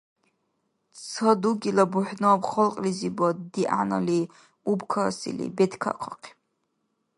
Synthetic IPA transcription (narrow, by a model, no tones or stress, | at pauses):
t͡sʰad̪uɡilabuħnaːbχɔlqʼlizibad̪iʔana̰li | ubkʰasḭlḭbɛd̪kʰa̰qʰaqʰi̥